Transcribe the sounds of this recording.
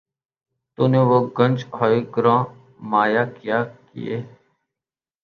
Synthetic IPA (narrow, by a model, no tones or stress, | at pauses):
t̪oːnẽːʋoːɡənʲd͡ʒɦoːiːɡɾãː | maːjaːkjaːkɪ̰jḛː